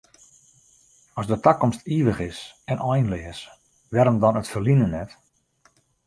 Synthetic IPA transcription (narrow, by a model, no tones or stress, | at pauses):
ɔsdətakɔmstiːʋəχɪsɛnʔɔjnlɪəs | ʋɛɾəmdɔnətfərlinənɛt